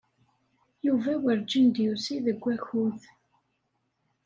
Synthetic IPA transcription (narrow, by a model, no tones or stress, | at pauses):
juvæwəɾd͡ʒənd̪jusiðəɡʷːæçuð